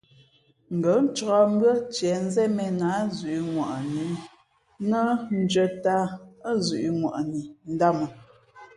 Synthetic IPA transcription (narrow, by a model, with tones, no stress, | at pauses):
ŋ̩˨ɡə˨˦n̩˦t͡ʃɔ˦m˦bɰə˦t͡ʃjɛ˨˦n̩˦zɛ˦mɛ˨na˨˦zʉ˨ʔi˨ŋwa̰˨ʔni˨˦ | nə˦n̩˦d͡ʒə˦ta˦zʉ˨ʔi˨ŋwa̰˨ʔni˨n̩˦da˦mə˨